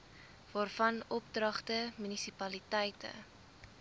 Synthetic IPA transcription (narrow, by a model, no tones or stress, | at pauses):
vɑːrfɐnɔp̚drɐχtəmynisipɐlitəjtə̰